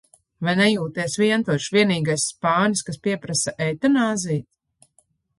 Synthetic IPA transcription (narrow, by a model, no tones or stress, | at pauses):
vajnɛjuːt̪iɛsviɛnt̪uɔʃvʲiɛniːɡajsːpaːnʲiskaspiɛpɾasaʔɛjt̪anaːzijt̪